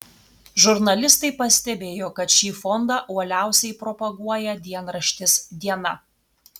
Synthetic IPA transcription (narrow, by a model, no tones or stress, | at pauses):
ʒʊɾnɐlʲɪst̪ɐɪpɐsʲt̪ʲɛbʲeːjoːkɐt̪ʃʲiːfɔnd̪ɑʔuɔlʲæˑʊsʲɛɪpɾɔpɐɡuɔjɛd̪ʲiɛnɾɐʃʲt̪ʲɪsd̪ʲiɛnɐ